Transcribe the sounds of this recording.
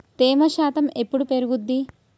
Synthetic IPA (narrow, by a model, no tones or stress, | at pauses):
t̪eːmɐʃaːt̪ɐmepːuɽupeɾuɡud̪ːi